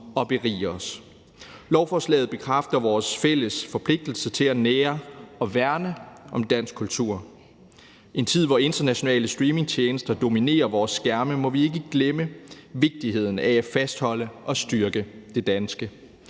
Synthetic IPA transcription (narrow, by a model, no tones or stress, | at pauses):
ɒ̽b̥e̝ʁḭːɒ̽s | lɒʊfɒːslɛ̰ːð̩ˠb̥e̝kʰʁafd̥ɐʋɒːsfel̰əsfɒ̽pʰle̝ɡ̥̚d̥l̩sət͡sʰe̝læneːɐɒ̽ʋæɐnəʔɒ̽md̥æn̰sɡ̥kʰult͡sʰṵɐ̰ | ʔe̝nt͡sʰið̞̰ˠʋɒe̝nd̥ɐnæɕo̝nɛ̰ːləsd̥ʁiːme̝ŋt͡ɕʰjeːnəsd̥ɐd̥o̝mine̝̰ːɐʋɒːsːɡ̥æɐməmɒ̽ʋie̝ɡ̥əɡ̥leməʋe̝ɡ̥̚d̥ihe̝ð̰ˠn̩ææfæsd̥hɒ̽l̰əʔɒ̽sd̥yɐɡ̥əd̥e̝d̥ænsɡ̥ə